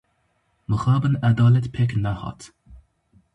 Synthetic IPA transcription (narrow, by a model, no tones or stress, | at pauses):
məxɑbənad̪ɔlɛt̪pʰɛknahɔ̰t̪